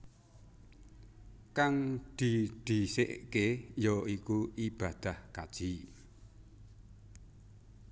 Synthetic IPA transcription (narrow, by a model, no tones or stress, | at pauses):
kaŋd̪̥id̪̥isḛʔkejoikuʔib̥a̤d̪̥a̤hkad̥ʒ̥i